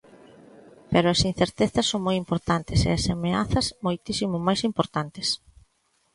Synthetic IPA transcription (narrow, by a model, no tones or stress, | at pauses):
peɾʊɐsin̟θeɾt̪eθɐsːoŋmojimpoɾt̪ant̪ɪsḛɐsamea̰θɐsmojt̪isimʊmajsimpoɾt̪ant̪es